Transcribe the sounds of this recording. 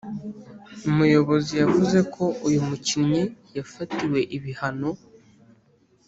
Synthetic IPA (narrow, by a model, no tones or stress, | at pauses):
umujo̞βo̞zijavuze̞kʰo̞ʔujumucinɲijafatiwe̞ʔiβihano̞